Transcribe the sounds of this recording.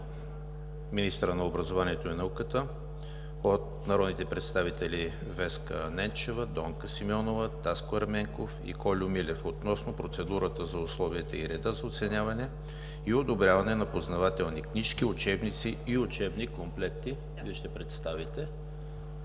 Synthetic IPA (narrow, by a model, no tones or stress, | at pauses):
minist̪əɾənɐobɾɐzovaniɛt̪oinɐukət̪ə | ot̪̚nɐɾɔd̪nit̪ɛpɾɛt̪st̪avit̪ɛli | vɛskənɛnt͡ʃɛvəd̪ɔŋkəsimɔnovət̪askoɐɾmɛŋkofḭkɔlʲʊmilʲɛfot̪nɔsnopɾot̪sɛd̪uɾət̪əzɐʊslˠɔviət̪əiɾɛd̪azɐot̪sɛnʲjavɐnɛ | iod̪obɾʲjavɐnɛnɐpoznɐvat̪ɛlˠnikniʃkiʊt͡ʃɛbnit̪siiʊt͡ʃɛbnikomplɛk̚t̪i | viɛʃt̪ɛpɾɛt̪st̪avit̪ɛ